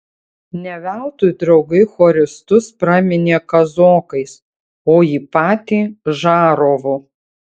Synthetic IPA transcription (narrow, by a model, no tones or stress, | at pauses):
nʲɛʋʲæˑʊt̪uːjd̪ɾɐʊɡɐɪxoːɾʲɪst̪ʊspɾɑːmʲɪnʲeːkɐzoːkɐɪs | oːjiːpɑːt̪ʲiːʒɑːɾoːʋʊ